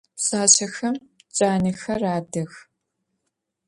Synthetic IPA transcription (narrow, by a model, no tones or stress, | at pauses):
ɕʼaːɕɐxɐmt͡ʃʼaːnɐxɐraːdɐx